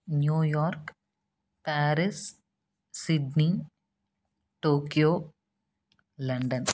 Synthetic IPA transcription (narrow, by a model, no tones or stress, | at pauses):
njuːjɔːɾk | paːɾis | siɖni | ʈoːkijoː | lɐɳɖɐn